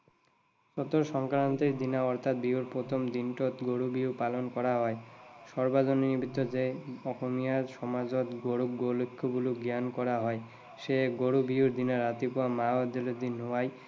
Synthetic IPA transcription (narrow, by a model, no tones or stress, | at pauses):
ʃot̪oɾʃɔŋkɾant̪eɾd̪inaɔɾt̪ʰat̪̚biuɾpɾot̪ʰomd̪inʈot̪ɡoɽubiupalonkɔɾaɦɔeʃɔɾbad͡ʑoninibʱit̪ːod͡ʑeɔkʰomijaɾʃɔmad͡ʑot̪ɡoɽuɡolokʰːobuluɡiankɔɾaɦɔe | ʃeɡoɽubiuɾd̪inaɾat̪ipoamaad̪elod̪inoaj